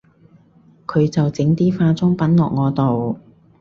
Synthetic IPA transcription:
kʰɵ˨˧ɥt͡sɐ˨wt͡sɪ˨˥ŋt̪iː˥faː˧t͡sʊ˥ŋpɐ˨˥nlɔ̰ː˨k̚ŋɔː˨˧t̪o˨w

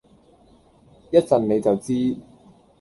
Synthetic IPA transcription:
jɐ˥t̚t͡sɐ˨nne˨˧jt͡sɐ˨wt͡siː˥

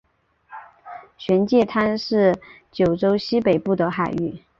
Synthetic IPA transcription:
ɕɥɛ˧˥nt͡ɕjɛ˥˩t̪ʰa˥nʂɻ̩˥˩ | t͡ɕjo˨˩ʊʈ͡ʂo˥ʊɕi˥pe˨˩ɪpu˥˩t̪ə˧˦xa˨˩ɪy˥˩

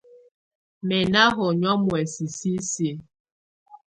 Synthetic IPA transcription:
mɛ˨na˦ɦɔ˨ɲɔ˦mwɛ˨si˨si˦si˦

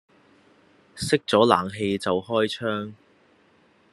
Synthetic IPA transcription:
sɪ˥k̚t͡sɔː˨˥laː˨˩ŋɦe˧jt͡sɐ˨wɦɔː˥jt͡ʃʰœː˥ŋ

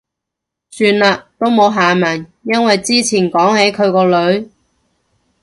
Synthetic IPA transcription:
syː˧nlaː˧t̪o˥wmo˨˧wɦaː˨maː˨˩njɐ˥nwɐ˨jt͡siː˥t͡sʰiː˨˩nkɔː˨˥ŋhe˨˥jkʰɵ˨˧ɥkɔː˧lɵ˨˧ɥ

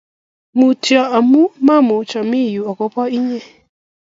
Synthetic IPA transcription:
mu˨tjɔ˨ʔa˨mu˦ma˦mo˨t͡ʃa˨mi˦˨ju˨a˨kɔ˦pɔ˦i˦ɲɛ˦

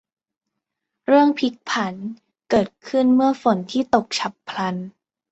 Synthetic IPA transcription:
ɾɯ˥˩əŋpʰi˦˥k̚pʰa˩˦n | kɤː˨˩t̪̚kʰɯ˥˩nmɯ˥˩ɐfo˩˦nt̪ʰiː˥˩t̪o˨˩k̚t͡ɕʰa˨˦pʰːla˧n

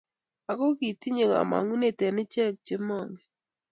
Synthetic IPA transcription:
a˨ko˦ki˨ti˦ɲe˨ŋ˨a̰˨ma̰˨ŋɡu˦ne˦˨tɛ˨nɪ˦t͡ʃɛ˦˨k̚t͡ʃe˦mɔ˦˨ŋɡɛ˨

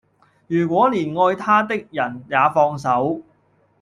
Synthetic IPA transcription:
jyː˨˩kʷwɔː˨˥liː˨˩nŋɔː˧jt̪ʰaː˥t̪̬ɪ˥k̚jɐ˨˩njaː˨˧fɔː˧ŋsɐ˨˥w

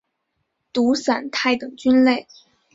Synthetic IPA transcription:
t̪u˧˥sa˨˩nt̪ʰa˥˩ɪt̪ɤ˨˩ŋt͡ɕy˥nle˥˩ɪ

